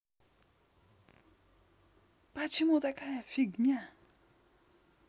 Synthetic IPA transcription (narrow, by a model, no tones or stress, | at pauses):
pat͡ɕʰimot̪akʰajafik̚ɲa